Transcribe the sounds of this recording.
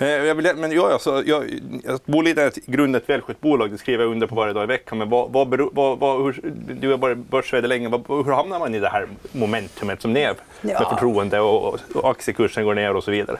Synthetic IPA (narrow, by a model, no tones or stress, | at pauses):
jɑːvɪljmɛnjɑːjɑsɔjɑːjbuːɭiːt̪əɛt̪ɡɾɵnd̪ɛt̪vɛːlɧʏt̪̚buːlɑːɡ̚d̪ɛskɾiːvəjɑɵnd̪əɾpʰɔvaɾjəd̪ɑːɪvɛkːanmɛnvɑvɑbɛɾːvɑvɑhʉd̪ʉjabɑːɾabœʂvɛːd̪əlɛŋːəvɑɦɵɾhamnaɾmanɪd̪ɛhæːɾmʊmɛnt̪ʰɵmət̪sɔmd̪ɛɛ | mɛfœʈʰɾuːənd̪əɔaksjəkʰɵʂːənɡoːɳeːɾɔsɔviːd̪a̰ɾə̰